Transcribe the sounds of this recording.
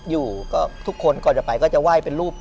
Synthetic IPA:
juː˨˩kɔː˥˩t̪ʰu˦˥kʰːo˧nkɔː˨˩nt͡ɕa˨˩pa˧jkɔː˥˩t͡ɕa˨˩waː˥˩jpe˧nɾuː˥˩p̚

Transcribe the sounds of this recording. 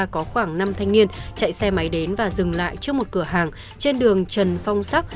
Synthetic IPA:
a˧kɔ˨˦xwaː˧˩ŋna˧mt̪ʰa˧jŋ̟ni˧ənt͡ɕa̰˧˨jsɛ˧ma˨˦jɗe˨˦nvaː˨˩zɨ˨˩ŋla̰ː˧˨jt͡ɕɨ˦˥əmo˨˩t̚kɨ˧˩əɦaː˨˩ŋ | t͡ɕe˧nɗɨ˨˩əŋt͡ɕə˨˩nfa˧wŋ͡msa˦˥k͡p̚

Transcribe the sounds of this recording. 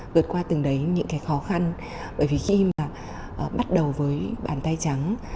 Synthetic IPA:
vɨ˨˩ət̚kwaː˧t̪ɨ˨˩ŋɗə˨˦jɲɨ̰˧˥ŋkaː˨˦jxɔ˨˦xa˧n | ɓəː˧˩˨jvi˨˩xi˧maː˨˩˨ | ɓa˦˥t̚ɗə˨˩wvəː˨˦jɓa̰ː˧˩nt̪a˧jt͡ɕa˨˦ŋ

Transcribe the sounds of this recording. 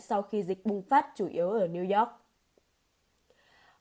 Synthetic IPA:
sa˧wxi˧zï˨˩k̟̚ɓʊ˧˩ŋ͡mfaː˦˥t̚t͡ɕu˧˩ʔi˨˦əwʔəː˧˩ni˧wzɔ˦˥k̚

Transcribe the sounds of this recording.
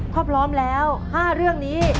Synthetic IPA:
kʰɔː˥˩pʰlɔː˦˥mlɛː˦˥whaː˥˩ɾɯ˥˩əŋniː˦˥

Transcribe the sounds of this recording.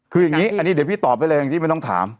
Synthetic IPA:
kʰɯː˧ja˨˩ŋːiː˦˥ʔa˧nːi˦˥˩di˩˦pʰiː˥˩t̪ɔː˨˩p̚ːa˧jlɤ˧ja˨ŋt̪i˥˩m˥˩jt̪ɔ˥˩ŋt̪ʰa̰ː˩˦m

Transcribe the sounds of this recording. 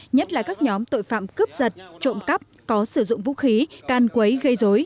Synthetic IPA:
ɲə˦˥t̚laː˨˩kaː˦˥k̚ɲɔ˨˦mt̪o̰˧˨jfa̰ː˧˨mkɨ˦˥p̚zə˨˩t̚t͡ɕo̰˧˨ŋ͡mkə˦˥p̚ | kɔ˨˦sɨ˧˩zʊ̰˧˨ŋ͡mvṵ˧˥xi˨˦kaː˨˩nkwə˨˦jɣə˧jzo˨˦j

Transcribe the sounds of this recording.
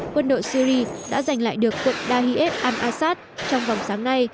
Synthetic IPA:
kwə˧nɗo̰˧˨jsi˧ɾi˧ɗa̰ː˧˥za˨˩jŋ̟la̰ː˧˨jɗɨ˨˩əkːwə˨˧˩k̚ɗaː˧ɦi˧ʔɛ˦˥p̚ʔaː˧nʔaː˧saː˦˥t̚t͡ɕɔ˧wŋ͡mvɔ˨˩wŋ͡msaː˨˦ŋna˧j

